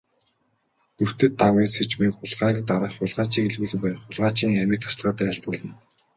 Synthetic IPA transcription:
t̪ur̥t̪ɘ̆t̪ːaweset͡ɕmekʊɮʁaːkt̪aɾə̆χʊɮʁaːt͡ɕiːkeɮɣuːɮɘ̆ŋpæɾɪ̆χʊɮʁaːt͡ɕiːŋxamʲiːk̚t̪ʰḁsɮʁəːt̪æːaɬt̪ʊːɮə̆n

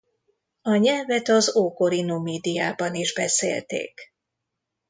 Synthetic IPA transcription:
ɒɲɛlvɛt̪ɒzoːko̞ɾinomeːd̪ijaːbɒniʒbɛsḛːlt̪ḛːk

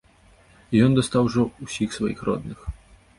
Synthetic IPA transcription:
jɔnd̪ɐst̪awʐɔusʲixsvajixrɔ̰d̪nɨx

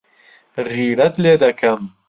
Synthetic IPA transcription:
ʁiːɽɐt̪leːd̪ɐkʰɐm

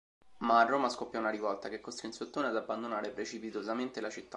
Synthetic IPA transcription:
maːrːoːmaskopːjɔunaɾivɔlt̪akekːost̪ɾinset̪ːoːnead̪abːand̪onaːɾepɾet͡ʃipit̪ozament̪elat͡ʃit̪ːa

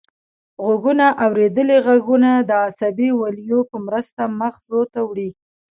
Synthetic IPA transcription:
ɣʊɡunaʔawɾed̪əleɣaɡunad̪əasabiwaljopəmɾəst̪aməxzot̪awɽi

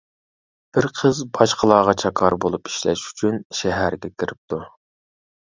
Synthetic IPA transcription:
b̥ɪɾqʰəzbɑʃqʰəlˠɑːʁɑt͡ʃʰɑkʰɑɾbolˠupi̥ʃlɛ̰ʃy̥t͡ʃʰynʃɛɦæɾɡʲɛkʲʰiɾɪp̚t̪ʰu

